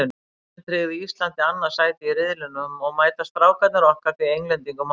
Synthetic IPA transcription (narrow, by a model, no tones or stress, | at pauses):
t̪ɾɪɣðɪist̪lant̪ɪanːḁsaːjt̪ɪirɪðlʏnʏmɔɣmaːjt̪ast̪ɾaːwkat̪naɾɔhkaɾθiejŋlɛnt̪iŋkʏm